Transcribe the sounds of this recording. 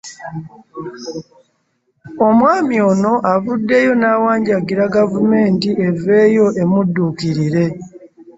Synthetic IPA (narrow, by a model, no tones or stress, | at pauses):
o̞mwaːmio̞no̞ʔavudːe̞jo̞nawaːɲɟaɡiɾaɡavume̞ːntiʔe̞ve̞ːjo̞ʔe̞mudːukiɾiɾe̞